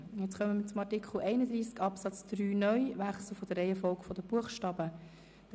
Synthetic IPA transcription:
jɛt͡sχœməmət͡sʊmɑɹtikχl̩ɛɪnəd̪ɾiːskɑpsɑt͡sd̪̥ɾyːnœʏʋæχsl̩fɔd̥əɾɛɪəfɔlɡfɔd̥̪əb̥uəχʃtɑːb̥ə | d̥

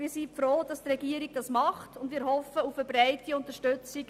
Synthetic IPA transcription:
miːɾsifɾoːd̥ɑstrɛɡiːəɾiɡd̥ɑsmɑχtʊndmiːɾhɔfəufəbɾɛɪtiʊntəʃtʉt͡sik

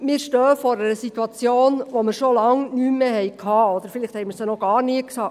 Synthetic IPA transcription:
mɪːɾʃtœːəfɔɾəɾəsit̪wɑt͡sjoːnʋoməɾʃolɑŋnyːmːehɛjkʰhɑːɔd̪əɾfɪlɪχt̪hɛɪməɾsɛnɔɡ̥ɑːrniəksɑː

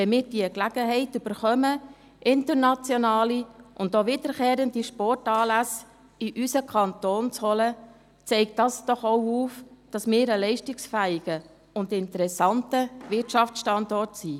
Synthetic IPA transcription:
ɛnmɪːɾd̥iəklæɡ̥əɦɛɪtyb̥əɾχœmə | ʔɪntəɾnɑt͡sjɔnɑːliʔʊndoʋid̥əɾkeːɾəndiʃpɔrtɑːlæs | iʔysəkʰɑntoːnt͡shɔlə | t͡sɛɪkt̚dɑsd̥ɔχowuːfd̥ɑsmɪːɾəlɛɪʃtɪksfæɪɡ̥ə | ʊndɪntəɾɛsɑntəʋɪtʃɑft͡sʃtɑndɔrtsiː

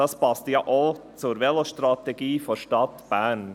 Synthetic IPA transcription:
ɑspɑst̪jɑʔot͡sʊɾʋɛloʃtɾɑt̪ɛɡiːfɔʃtɑt̪b̥æɾn

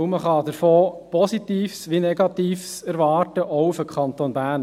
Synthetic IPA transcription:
məχɑd̪̥əɾfoːpʰɔsit̪iːfsʋinɛɡɑt̪iːfsæɾʋɑːɾtəʔɔʊfəkʰχɑnt̪oːnbæːn

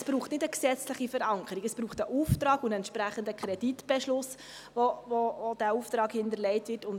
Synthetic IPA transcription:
sb̥ɾuːχtnɪdəksɛt͡sləχifəɾɑŋkʰəɾiɡəsb̥ɾuːχtəʔuːftɾɑːɡʊndɛntʃpɾæχəndəkχɾɛd̥itb̥ɛʃlʊs | ʋovood̥æuːftɾɑːkhɪntəɾlɛɪtʋɪtʊn

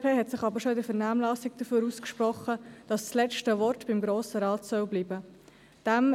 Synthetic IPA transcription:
pʰeːɦɛtsɪχɑbəɾʃoɪdəfɛɾnaːmlɑːsɪkd̥əføːɾuːskʃpɾɔχəd̥ɑsːlɛt͡ʃtəʋɔrtb̥ɪmɡɾoːsəɾɑːtsœwbliːbə | d̥ɛm

